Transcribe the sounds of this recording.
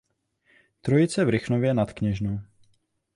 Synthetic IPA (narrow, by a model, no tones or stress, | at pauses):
t̪ɾojɪt͡sɛvɾɪxnovjɛnat̪kɲɛʒnow